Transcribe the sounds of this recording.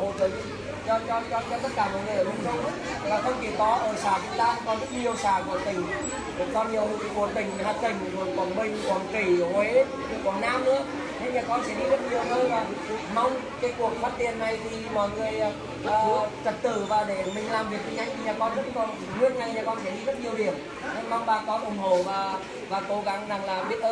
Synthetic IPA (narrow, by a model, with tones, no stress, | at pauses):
ho˨jkə˨˦˧ | t͡ɕɔ˧t͡ɕɔ˧t͡ɕɔ˧t͡ɕɔ˧t̪ə˦˥t̚kaː˧˩mɔ̰˧˨jŋɨ˨˩jʔəː˧˩ɨ˧˩ŋ͡mmə˨˧˩ | vaː˨˩xʰə˧wŋ͡mt͡ɕi˧˩t̪ɔ˨˦ʔəː˧˩saː˧˩t͡ɕʊ˨˧˦ŋ͡mt̪aː˧˦kɔ˧˩n˦i˨˧˩ə˨wsaː˧˩kṵ˧˩ət̪ï˨˩ŋ̟˨˩ | kɔ˧nhi˨˩əwku˧˩ət̪ï˨˩ŋ̟haː˨˧˩t̪ï˨˩ŋ̟zu˧˩əɓɔ˨˧˩nmï˨˩ŋ̟kɔ˧˩nki˧˩hwe˨˦˧ | kwɔ˨˧˩nnaː˧mʔɨ̰˧˦˥ə | ne˧˦ɲaː˨˩kɔ˧nsɛ̰˧˥ɗi˧zə˦˥t̚ɲi˨˩ə˨˩ʔəː˧vaː˨˩ma˧wŋ͡m | kaː˨˦jku˨˩ək̚faː˦˥n̚t̪ḭ˨ənːa˨˩jt̪ʰi˨˩mɔ̰˧˨jŋɨ˨˩əjː | t͡ɕə˨˩t̚t̪ɨ˧˩vaː˨˩ɗe˧˩mï˨˩ŋ̟laː˨˩mvi˨˩ək̪̚ï˨˩ŋ̟ʔa˨˦jŋ̟t̪ʰi˨ɲaː˨˩kɔ˧nzə˦˥t̚kɔ˧˩n | ɗɨ˦˥ət̚ɲa˧˩ɲaː˨˩kɔ˧nsɛ˧˩ɗi˧zə˦˥t̚ɲi˨˩əwhi˨˩ət̚ | a˧ma˧wŋ͡mɓaː˧˩kɔ˧nʔə˨˧˩wŋ͡mɦo˧˩vaː˨˩ | vaː˨˩ko˨˧˦ɣa˨˦ŋna˨˩ŋlaː˨˩ɓi˦˥ət̚ʔəː˧